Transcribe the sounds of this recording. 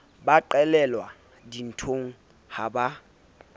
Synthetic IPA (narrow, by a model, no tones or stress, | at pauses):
baǃɛlɛlwa | din̩tʰoŋ̩ | haba